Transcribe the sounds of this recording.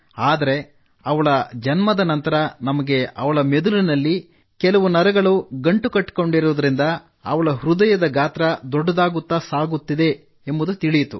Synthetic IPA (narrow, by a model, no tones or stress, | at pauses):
aːd̪ɐɾe̞ | ɐʋɐɭɐd͡ʒɐnmɐd̪ɐnɐnt̪ɐɾɐnɐmɐɡe̞ɐʋɐɭɐmed̪ulinɐlːi | kɛlɐʋunɐɾɐɡɐɭuɡɐɳʈukɐʈːko̞ɳɖiɾuʋd̪ɐɾind̪ɐ | ɐ̰ʋɐɭɐɦɾud̪ɐjɐd̪ɐɡaːt̪ɾɐd̪ɔɖːɐd̪aːɡut̪ːaːsaːɡut̪ːid̪e̞ | embud̪ut̪iɭijt̪ṵ